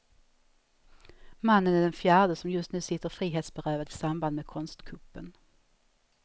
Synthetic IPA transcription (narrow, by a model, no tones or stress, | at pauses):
manːənæɖɛnfjæːɖəsɔmjɵst̪nʉ̟ːsɪt̪ːəɾfɾiːɦeːt̪sbɛɾøːvad̪ɪsamband̪mekʰɔnst̪kʰɵpːən